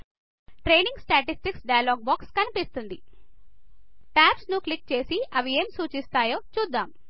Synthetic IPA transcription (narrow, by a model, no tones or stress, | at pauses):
ʈɾe̞ːniŋɡsʈaːʈisʈiksɖɐjaloːɡ̚bɔːkskɐnipist̪und̪i | ʈaːpsnuklik̚t͡ʃe̞ːsiʔɐʋieːmsuːt͡ʃist̪aːjo̞ːt͡ʃuːd̪ːaːm